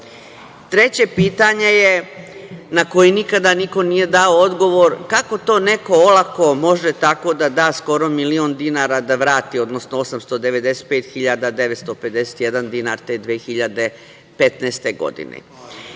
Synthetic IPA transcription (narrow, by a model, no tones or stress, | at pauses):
t̪ɾe̞t͡ɕe̞piːt̪aɲe̞je | nako̞jinikad̪aniko̞nije̞d̪aood̪ɡo̞ʋoɾkako̞t̪o̞ːne̞ko̞olˠako̞mo̞ʒet̪ako̞d̪ad̪aːsko̞ɾo̞miliond̪inaːɾad̪aʋɾaːt̪io̞d̪no̞snoo̞samst̪o̞d̪e̞ʋe̞d̪e̞set̪̚peːt̪xiʎad̪ad̪eʋet̪st̪o̞pe̞d̪ese̥t̪jed̪and̪inaɾt̪ed̪ʋeːxiʎad̪e̞ | pet̪neːst̪e̞ɡo̞̰d̪ḭnḛ